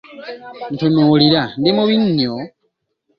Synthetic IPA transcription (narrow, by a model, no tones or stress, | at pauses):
n̩tunuːliɾandimuβiɲːo